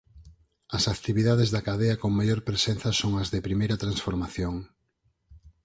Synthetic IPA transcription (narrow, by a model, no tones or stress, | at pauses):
ɐsakt̪iβiðaðezðɐkaðeɐkoŋmaʎoɾpɾesen̟θɐsoŋɐzðɪpɾimejɾɐt̪ɾansfoɾmaθjoŋ